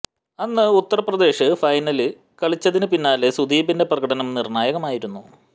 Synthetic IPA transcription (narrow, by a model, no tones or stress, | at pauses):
ɐnːɨut̪ːɐrɐprɐd̪e̞ːʂɨfɐjnɐlɨ | kɐɭit͡ɕːɐðinɨpinːaːlesud̪iːbinde̞prɐɣɐɽɐnɐmnirɳaːjɐɣɐmaːjiɾunːu